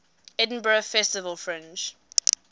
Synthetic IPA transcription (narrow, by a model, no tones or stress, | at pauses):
ɛd̃n̩bəɹəfɛstɪvəlfɹɛ̃nt͡ʃ